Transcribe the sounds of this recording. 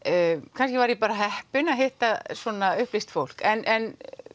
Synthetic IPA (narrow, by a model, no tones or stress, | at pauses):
kʰanskcɪvaɾjɛpaːɾaɦɛhpʏnaðɦejht̪asɔːnaʏhplist̪fowl̥kɛnʔɛn